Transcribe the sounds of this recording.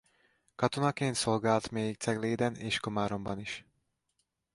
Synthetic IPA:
kɒt̪onɒkeːnt̪so̞lɡaːlt̪meːjik̚t̪sɛɡleːd̪ɛneːʃkomaːɾo̞mbɒniʃ

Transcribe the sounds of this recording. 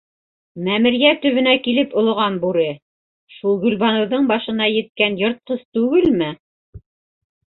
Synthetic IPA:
mæmɘ̆ɾjæt̪ɵ̆βɘ̆nækilɘpŏl̆ˠʁɑnbuɾɘ | ʃulˠɡɵ̆lβɑnɤ̆wðɤɴbɑʃɤ̆nɑjɘ̆t̪̚kænjŏɾt̪̚qɤzt̪ʉɡɘlmɘ

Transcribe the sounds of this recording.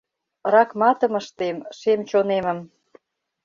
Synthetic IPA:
rɑkmɑt̪ə̆məʃt̪emʃemt͡ɕonemə̆m

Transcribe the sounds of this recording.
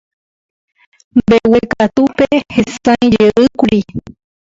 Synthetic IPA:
mbewekat̪upehesãj̃d͡ʒeʔɨkuɾi

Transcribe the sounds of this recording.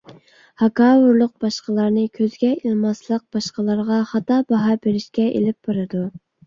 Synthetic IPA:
hɑkɑːwʊɾlˠʊq̚b̥ɑʃqəlˠɑɾnɨkʲʰøzɡʲɛilˠmɑslˠəq̚b̥ɑʃqəlˠɑɾʁɑχɑt̪ɑbɑɦɑbeɾɪʃkʲɛʔḛlɪp̚b̥ɑɾɨd̪u

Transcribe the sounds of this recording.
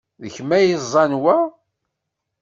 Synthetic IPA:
ðəçmæjəzˤːɑnwæ

